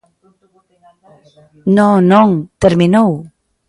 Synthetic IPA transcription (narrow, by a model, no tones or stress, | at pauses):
nonoŋt̪eɾminow